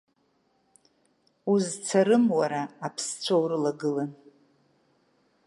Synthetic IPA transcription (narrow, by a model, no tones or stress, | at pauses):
uzt͡sʰaɾɨmwaɾaːpʰst͡sʷʰowɾɨlaɡɨlan